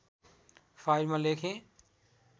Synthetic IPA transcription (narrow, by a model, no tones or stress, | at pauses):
faːɪɾmãleːkʰẽː